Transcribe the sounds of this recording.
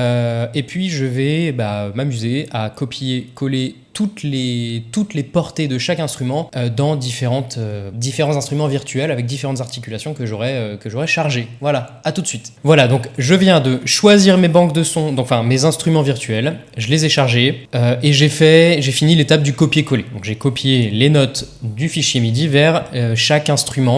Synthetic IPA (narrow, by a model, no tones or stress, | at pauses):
øepɥiʒəvɛbamamyzeakɔpijekɔlet̪ut̪let̪ut̪lepɔʁt̪ed̪əʃakɛ̃st̪χymɑ̃ød̪ɑ̃d̪ifeʁɑ̃t̪ød̪ifeʁɑ̃t̪zɛ̃st̪χymɑ̃viʁt̪ɥɛlavɛk̚d̪ifeʁɑ̃t̪zaʁt̪i̥kʲylasjɔ̃kəʒɔʁɛøkəʒɔʁɛʃaʁʒevwala | at̪ut̪sɥit̪vwalad̪ɔ̃kʒəvjɛ̃d̪əʃwaziʁmebɑ̃kd̪əsɔ̃d̪ɔ̃kɑ̃fɛ̃mezɛ̃st̪χymɑ̃viʁt̪ɥɛlʒəlezɛʃaʁʒeøeʒefɛʒefinilet̪ap̚d̪ykɔpjekɔled̪ɔ̃kʒekɔpjelenɔt̪d̪yfiʃjemid̪ivɛʁøʃakɛ̃st̪χymɑ̃